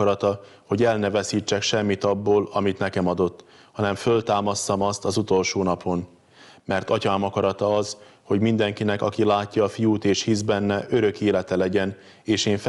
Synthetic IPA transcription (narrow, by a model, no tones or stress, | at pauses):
ɾɒt̪ɒ | ho̞ɟɛlnɛvɛsiːt͡ʃːɛkʃɛmːit̪ɒbːoːlɒmit̪nɛkɛmɒd̪o̞t̪ː | hɒnɛɱfølt̪aːmɒsːɒmɒst̪ɒzut̪o̞lʃoːnɒpʰo̞n | mɛrt̪ɒcaːmɒkɒɾɒt̪ɒɒzho̞ɟmind̪ɛŋkinɛkɒkilaːcːɒːfijuːt̪eːʃhizbɛnːɛʔø̞ɾø̞keːlɛt̪ɛlɛɟɛn | eːʃeːɱf